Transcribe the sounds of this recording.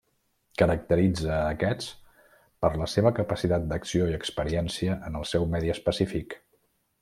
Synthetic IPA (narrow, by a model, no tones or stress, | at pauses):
kəɾək̚t̪əɾid͡zəːkɛt͡s | pəɾləseβəkəpəsit̪at̪̚d̪əksioiəkspəɾiɛnsiəʔənəlˠsɛwmɛðiəspəsifik